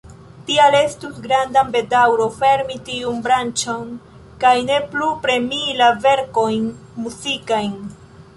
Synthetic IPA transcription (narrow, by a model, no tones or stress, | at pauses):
tiale̞stusɡɾandambe̞dawɾofe̞ɾmitiunbɾant͡ʃon | kajne̞plupɾe̞milave̞ɾko̞jn | muzikajn